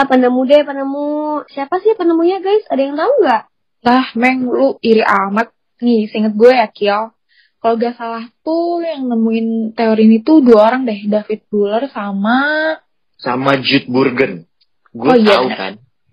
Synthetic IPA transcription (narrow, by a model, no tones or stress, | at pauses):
apanəmudɛpanəmusiapasɪhpanəmuɲaɡajsadajaŋt̪auɡaʔ | lahmɛŋluiɾiʔamat̪̚ | nisəiŋət̪̚ɡuɛjakiɔl | kaloɡasalaht̪ujaŋnəmuɪnt̪eoɾinit̪uduaoɾaŋdaɦdafɪt̪̚bulərsama | sa̰mad͡ʒut̪̚burɡən | ɡiaaka̰n